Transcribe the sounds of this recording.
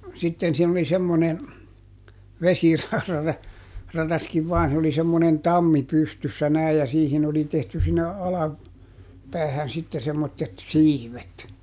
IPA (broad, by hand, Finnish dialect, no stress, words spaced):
sitːen siːn oli semːone ʋesirɑ rɑtɑskiʋ ʋɑːn se oli semːonen tɑmːi pystysːæ næij jɑ siːhin oli tehty sinːe ɑlɑ pæːhæn sitːe semːotːet siːʋet